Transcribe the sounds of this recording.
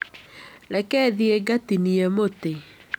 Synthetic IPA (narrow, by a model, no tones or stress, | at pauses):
lɛkɛðieɡatiniɛmote